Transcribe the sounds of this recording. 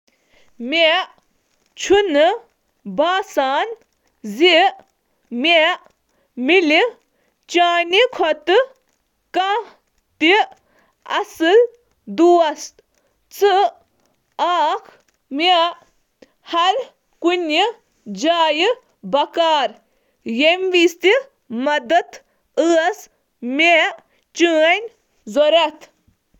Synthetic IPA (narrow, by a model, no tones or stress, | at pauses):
meʔ | t͡ʃʰunɨ | baːsaːn | zi | meʔ | mili | t͡ʃaːnikʰɔt̪ɨ | ka | t̪i | ɐsɨl | d̪uːɐst̪ | t͡sɨ | aːkʰ | me | hɐɾ | kunʲi | d͡ʒaːjɨ | bɐkaːɾ | jemʋist̪i | mɐd̪ɐt̪ | ɨɐs | me | t͡ʃɨːɐnʲ | zɔɾɐt̪ʰ